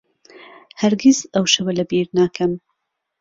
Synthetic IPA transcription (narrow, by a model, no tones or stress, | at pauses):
hɐɾɡizɐwʃɐwɐlɐbiːɾnaːkʰɐm